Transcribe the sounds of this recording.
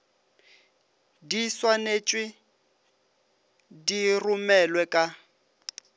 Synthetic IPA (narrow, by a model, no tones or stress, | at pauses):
diswanet͡ʃʼwi | dirumɛlwɛkʼa